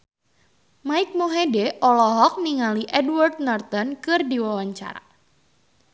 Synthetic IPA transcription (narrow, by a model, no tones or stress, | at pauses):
maɪk̚moɦedɛʔɔlɔɦɔk̚niŋaliʔɛdward̪̚nɔrt̪ɔnkɨrdiwawaɲt͡ʃa̰ɾa̰